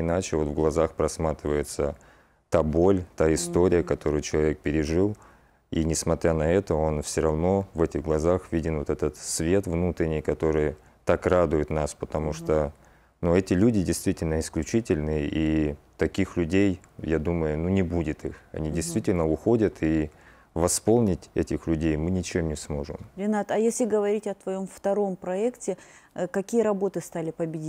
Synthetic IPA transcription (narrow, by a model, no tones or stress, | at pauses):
ɪnat͡ɕɪvo̞t̪vɡlˠɐzaxpɾɐsmat̪ɾʲɪvəjɪt̪sə | t̪abo̞lʲt̪aɪst̪oɾʲɪjəkɐt̪o̞ɾʊjt͡ɕɪlˠɐvʲe̞k̚pʲɪɾʲɪʐɨlˠ | inʲɪsmɐt̪ɾʲanɐɛt̪əo̞nfsʲɪɾɐvno̞vɛtʲɪɣɡlˠɐzaxvʲidʲɪnvot̪ɛt̪ət̪svʲe̞t̪vnut̪ɾʲɪnʲɪjkɐt̪o̞ɾɨj | t̪akrad̪ʊjɪt̪naspət̪ɐmuʂt̪o | nuɛtʲɪlʲudʲɪdʲɪjst̪vʲitʲɪlʲnəɪsklʲʉt͡ɕitʲɪlʲnɨjəʔit̪ɐkʲixlʲʉdʲejjad̪uməjʊnunʲɪbudʲɪt̪ixɐ̰nʲidʲɪjst̪vʲitʲɪlʲnəʊxo̞dʲət̪ʰi | vɐspo̞lˠnʲɪtʲɛtʲɪxlʲʉdʲejmɨnʲɪt͡ɕɪemnʲɪsmo̞ʐɨ̰mɾʲɪnat̪ɐjesʲlʲɪɡəvɐɾʲitʲɐt̪vɐjo̞mft̪ɐɾo̞mpɾɐɛktʲɪ | kɐkʲijəɾɐbo̞t̪ɨst̪alʲɪpəbʲɪdʲi